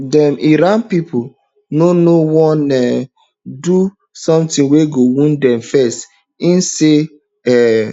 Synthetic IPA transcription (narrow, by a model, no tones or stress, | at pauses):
dɛmʔiɾanpipo | nonowɔnɛ | du | sɔ̃mtĩnweɡowĩndɛ̃mfɛst | ĩnse | ɛ